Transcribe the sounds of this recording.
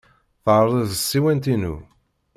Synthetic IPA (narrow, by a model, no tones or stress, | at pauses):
θʕɾˤəðsːiwænt̪inṵ